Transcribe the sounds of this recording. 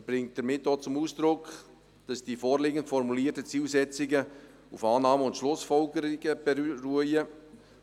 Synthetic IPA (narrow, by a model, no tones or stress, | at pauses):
b̥ɾɪŋt̚d̥əɾmɪtːoːt͡sʊmuːsd̥ɾʊk | d̥ɑsd̥iːfɔːrlɪːɡəntfɔɾmuliːərtət͡siːlsɛt͡sɪɡə | ufɑːnɑːməʊntʃlʊsfɔlɡəɾiɡəb̥ɛruəjə